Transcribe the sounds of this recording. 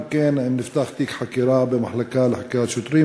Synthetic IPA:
keːnnːɪft̪axt̪iːkħakiɾaːbɪmaħlakaːlaħakaːt̪ʃʊt̪ɾiː

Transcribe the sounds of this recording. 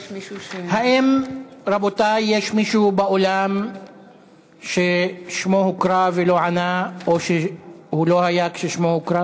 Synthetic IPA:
haʔimɾabot̪ajjeʃmiʃubaolam | ʃeʃmohukɾavelo̞ʕanaoʃehulo̞hajakʃeʃmohukɾa

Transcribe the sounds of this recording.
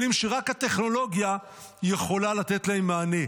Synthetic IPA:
limʃeʁakhat̪e̞χno̞lo̞ɡja | je̞χo̞lalat̪et̪laemːaːne̞

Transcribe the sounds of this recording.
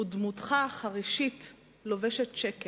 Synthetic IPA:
udmut̪χaχaʁiʃit | lo̞veʃett͡ʃeke

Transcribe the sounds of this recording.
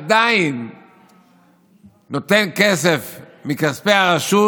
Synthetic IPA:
adain | o̞t̪e̞nke̞se̞f | mikaspeaʁaʃu

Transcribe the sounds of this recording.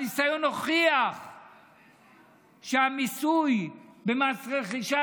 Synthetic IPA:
nisajo̞no̞χiaχ | ʃeamisujbemaːsʁeχiʃa

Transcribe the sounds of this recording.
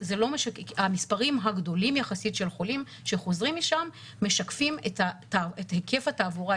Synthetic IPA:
zelo̞meʃakamispaʁimɦaɡdo̞limjaχasitʃe̞lχo̞lim | ʃeχo̞zʁimːiʃamː | e̞ʃakfimeta | aetheke̞fataːvoʁa

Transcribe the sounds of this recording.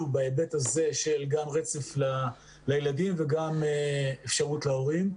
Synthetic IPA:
ubaebet̪haze̞ʃe̞lɡamʁet͡se̞fla | lajeladimveɡameefʃaʁutleo̞ʁim

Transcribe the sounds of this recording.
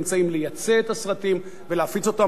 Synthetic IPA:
mt͡saimlejat͡seet̪asʁat̪im | veleafit͡so̞t̪a

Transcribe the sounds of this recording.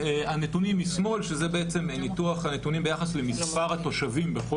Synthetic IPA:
eanetunimismo̞lʃezebeet͡se̞mnituaχanet̪unimbejaχasle̞mispaʁat̪o̞ʃavimbeχo

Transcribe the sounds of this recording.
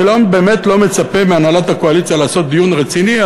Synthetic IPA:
elambe̞ːme̞tlo̞me̞t͡sape̞meanalat̪hako̞alit͡sjalaːso̞t̪̚d̪ijunʁet͡sinia

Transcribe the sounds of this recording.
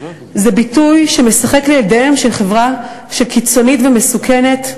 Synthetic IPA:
zebitujʃeme̞saχe̞kleeldeemʃelχe̞vʁa | ʃe̞lkit͡so̞nitvemesukʰene̞t

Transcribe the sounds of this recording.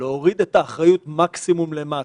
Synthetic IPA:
leoʁid̪e̞t̪aːχʁajutmaksimumle̞ma

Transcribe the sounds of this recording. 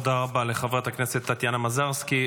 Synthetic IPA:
d̪aʁabaleχavʁat̪akneset̪ːat̪janamazaʁski

